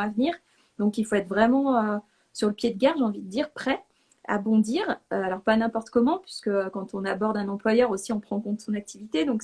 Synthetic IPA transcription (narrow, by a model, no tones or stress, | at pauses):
avniʁ | d̪ɔ̃kilfoɛt̪χvʁɛmɑ̃ø | syʁləpjed̪əɡʲɛʁʒeɑ̃vid̪əd̪iʁpχɛ | a̰bɔ̃d̪iːʁøalɔʁpanɛ̃pɔʁt̪kɔmɑ̃pɥi̥skəkɑ̃t̪ɔ̃nabɔʁd̪ɛ̃nɑ̃plwajœʁosiɔ̃pχɑ̃kɔ̃t̪əsɔ̃nak̚t̪ivit̪ed̪ɔ̃k